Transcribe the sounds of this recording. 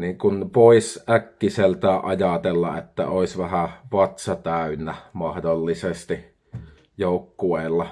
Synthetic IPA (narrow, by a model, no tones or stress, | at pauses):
niːŋkunpoˑisʔækːiselt̪æːʔʔɑjɑt̪elːɑ̰et̪ːæ̰oˑisʋæhæʋɑt̪sɑt̪æˑynːæmɑhdolːisest̪i | joˑukːueˑːlːɑ